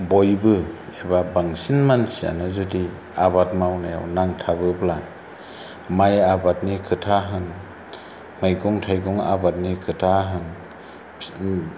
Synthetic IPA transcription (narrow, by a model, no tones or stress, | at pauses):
bɔjbɯebabaŋsinmansia̰nɯzudi | abat̚mawnaja̰wnaŋtʰabɯbla | majabat̚nikʰɯtʰaɦɯn | majɡɔŋtʰajɡɔŋa̰bat̚nikʰɯtʰaɦɯn